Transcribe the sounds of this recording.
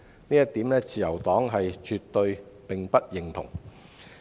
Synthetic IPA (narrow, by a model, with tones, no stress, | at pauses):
niː˥jɐ˥t̪ːi˨˥mlɛː˥t͡siː˨jɐ˨˩wt̪ɔː˨˥ŋɦɐ˨jt͡ʃyː˨t̪ːɵ˧ɥpɪ˨ŋpɐ˥t̚jɪ˨˩ŋt̪ʰʊ̰˨˩ŋ